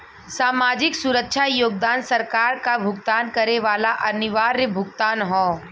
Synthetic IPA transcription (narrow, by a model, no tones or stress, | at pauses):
saːmaːd͡ʒɪksʊɾəkʃʰajoːɡ̚d̪aːnsɐɾkaːɾkabʱʊɡt̪aːnkɐɾeʋaːlaʔɐnɪʋaːɾːebʱʊɡt̪aːnɦɔ̃ː